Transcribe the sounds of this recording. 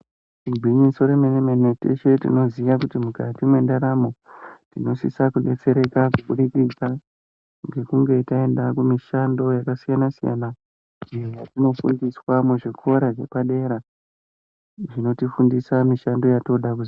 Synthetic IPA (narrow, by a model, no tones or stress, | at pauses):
iɡʱiɲinso̞ɾemenemenetḛʃe̞tḭno̞ziʋakutimukatimwe̞ndaɾamo̞tino̞sḭsakuɗe̞t͡se̞ɾe̞kakuɓuɗikid͡za | ŋɡe̞kuŋɡe̞tae̞ndakumiʃando̞jakasijanasija̰na | ejojatino̞fṵndiswameʐekuoɾaʐe̞paɗe̞ɾa | ʐino̞tifundisamiʃando̞jato̞ɗakuzi